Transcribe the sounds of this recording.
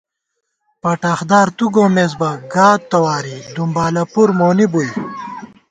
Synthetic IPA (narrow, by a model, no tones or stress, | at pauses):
pɐʈaːxd̪aːɾt̪uɡoːmez̬bɐɡaːd̪̚t̪ɐwaːɾid̪umbaːlɐpuɾmoːnibuj